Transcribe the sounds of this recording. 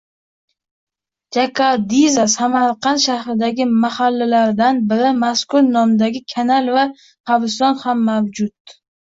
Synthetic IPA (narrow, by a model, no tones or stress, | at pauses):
d͡ʒakʰad̪izasamaɾqʰɑnʃahɾɪd̪aɡʲɪmahalːalaɾd̪anbɪɾɪmaskʊɾnɒmd̪aɡʲɪkʲʰanalva | havɪst̪ɒnhamːawd͡ʒʊt̪̚